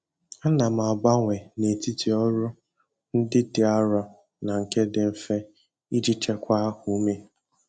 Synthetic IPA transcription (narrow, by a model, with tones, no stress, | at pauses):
a˦na˨m̩˨a˨ɡ͡ba˦ŋʷe˨ne˨ti˦ti˨ɔ˦ɾʊ˦ | n̩˦dɪ˦dɪ˨a˦ɾɔ˦ | na˨ŋ̩˨ke˦dɪ˨m̩˦fe˦ | i˦d͡ʒi˦t͡ʃe˦kʷa˦ku˨˦me˦